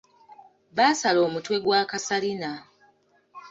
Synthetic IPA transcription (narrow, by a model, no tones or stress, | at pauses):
βaːsalo̞ːmutwe̞ɡwaːkasalina